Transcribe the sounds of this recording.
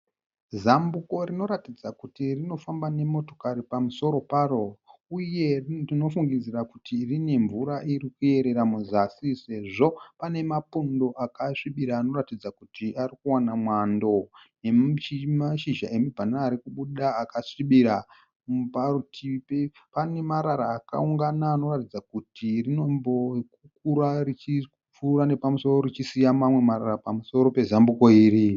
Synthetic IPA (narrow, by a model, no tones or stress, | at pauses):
zambuko̞rino̞ɾatid͡zakutirino̞fambane̞mo̞to̞kaɾipamuso̞ɾo̞paro̞uje̞rrino̞fuŋɡid͡zirakutirine̞ɱvuɾaʔirikue̞ɾe̞ɾamuzasise̞ʐo̞pane̞mapundo̞ʔakaʂiɓiɾaːno̞ratid͡zakutiʔarikuwanamwando̞ne̞imaʃiʒa̰e̞mibʱanaːɾikuɓuɗaːkaʂiɓiɾa | mparutʰipepane̞maɾaɾaːka̰uŋɡanaːno̞ratid͡zakutirino̞mbo̞k̚ukuɾarit͡ʃi | p͡furane̞pamuso̞ro̞rit͡ʃisijamamwe̞maɾarapamuso̞ɾo̞pe̞zambuko̞iːɾi